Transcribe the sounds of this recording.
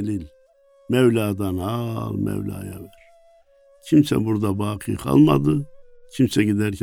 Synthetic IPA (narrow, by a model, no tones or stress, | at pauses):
lil | mɛvlaːd̪anhɑlˠmɛ̰vlʲa̰ːjavɛɾ̥ | cʰimsɛ̰buɾd̪abaːqʰɯjkʰa̰lˠmad̪ɯcʰimsɛɟid̪æɾcʰʲ